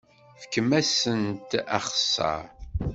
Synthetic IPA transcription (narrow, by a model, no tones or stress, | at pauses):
fə̥kːəmæsənt̪æ̰χsːɑ̰ɾ